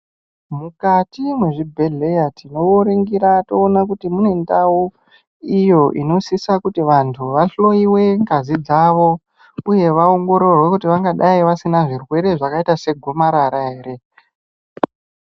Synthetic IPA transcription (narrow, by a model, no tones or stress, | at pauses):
mukatimweʐibʱe̞ɮe̞jatino̞ʋoɾeŋɡiɾatoːnak̬utimune̞ndau | ijo̞ʔino̞sisakutiʋantʰuʋaɬo̞iwe̞ŋɡazid͡zaʋo̞ | uje̞ʋao̞ŋɡo̞ɾo̞rwe̞kutiʋaŋɡaɗaiʋasinaʐirwe̞ɾe̞ʐakaitase̞ɡʱo̞maɾaɾaɦe̞ːɾe̞